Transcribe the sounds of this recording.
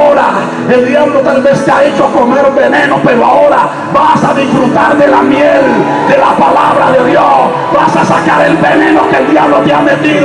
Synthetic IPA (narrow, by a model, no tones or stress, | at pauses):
oɾa | eld̪jaβlot̪alβest̪eaet͡ʃoakomeɾumbenẽ̞nopeɾoao̞ɾa | βasaðisfɾut̪aɾðelamjel | d̪elapalaβɾaðeðjos | βasasakaɾelβenẽnokeld̪jaβlot̪eamet̪iðo